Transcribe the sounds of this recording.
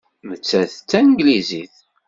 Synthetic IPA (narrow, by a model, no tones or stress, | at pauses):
mət͡sːæθt͡sːænɡliziθ